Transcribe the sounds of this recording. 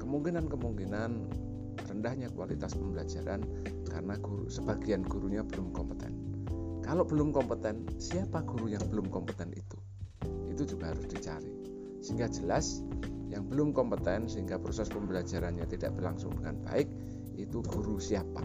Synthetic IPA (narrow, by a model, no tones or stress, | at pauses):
kəmuŋkinankəmuŋkinan | rəndahɲakwalit̪aspəmbəlad͡ʒaɾa̰n | ka̰ɾənaɡ̥uɾṵsəb̥aɡianɡ̥uɾuɲab̥əlʊmkɔmpə̥t̪ɛ̰nkaloʔb̥əlʊmkɔmpət̪ɛnsiapaɡ̥uɾujaŋbəlʊmkɔmpət̪ɛnḭt̪u | it̪ud͡ʒuɡahaɾʊsd̥it͡ʃa̰ɾi | siŋɡad͡ʒəlasjaŋbəlʊmkɔmpət̪ɛnsəiŋɡapɾosɛspəmbəlad͡ʒaɾanɲat̪ida̰ʔb̥ərlaŋsʊ̰ŋdəŋa̰nba̰ɪk̚ | it̪uɡ̥uɾusiapa̰